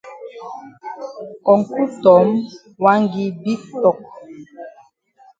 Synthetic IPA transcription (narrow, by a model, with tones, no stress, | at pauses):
kɔ˨ŋ˨ku˦tɔ˨˦m | wa˦ŋɡi˦bi˦klɔ˨k̚